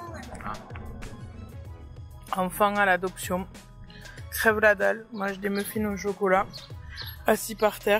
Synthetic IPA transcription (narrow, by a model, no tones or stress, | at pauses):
ɑ̃fɛ̃alad̪ɔpsjɔ̃ | kχɛvlad̪almaʒd̪eməfinoʃokɔla | asipaʁt̪ɛː